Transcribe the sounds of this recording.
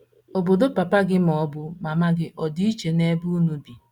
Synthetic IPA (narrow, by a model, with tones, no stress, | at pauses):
o˨bo˨do˦pa˨pa˦ɡɪ˦m˨ɔ˨˦bʊ˦ma˨ma˦ɡɪ˦ʔɔ˨di˦i˦t͡ʃe˨ne˦bu˦nu˦bi˨